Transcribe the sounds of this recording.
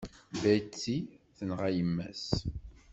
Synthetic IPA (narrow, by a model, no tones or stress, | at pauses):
bæjt͡sːi | θənʁæjəmːæ̰s